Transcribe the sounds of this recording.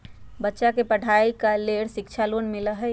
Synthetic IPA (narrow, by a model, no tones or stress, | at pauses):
bətːʃakepɐɽʱaːikaleːɽʃɪkt͡ʃʰaloːnmɪləɦɛ